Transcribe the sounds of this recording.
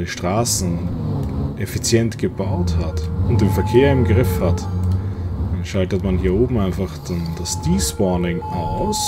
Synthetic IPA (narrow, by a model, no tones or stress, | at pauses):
ləʃtʁ̥aːsn̩ | ʔɛfit͡sjɛntɡ̥əbaʊthatʊnt̚d̥eːnfɛɐkʰeːɐɪmɡʁɪfhat | d̥anʃaltətmanhiːɐoːbm̩aɪnfaχd̥and̥asd̥iːsb̥ɔɐnɪŋʔaʊs